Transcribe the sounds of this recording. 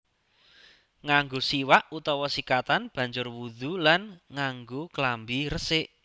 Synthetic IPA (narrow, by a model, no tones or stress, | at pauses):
ŋaŋɡosiwaʔut̪ɔwɔsikat̪anb̥ä̤ɲd͡ʒʊrwud̪̥ulanŋaŋɡoklambirəsɪʔ